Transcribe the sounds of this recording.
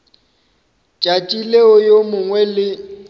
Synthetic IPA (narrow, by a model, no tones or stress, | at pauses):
t͡ʃʼat͡ʃʼileɔjomʊŋwɛlɪ